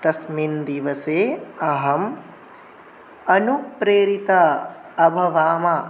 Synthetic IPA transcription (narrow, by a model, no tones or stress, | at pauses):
t̪ɐsmind̪iʋɐseːɐɦɐm | ɐnupɾeːɾit̪ɐ | ɐbʱɐʋaːmɐ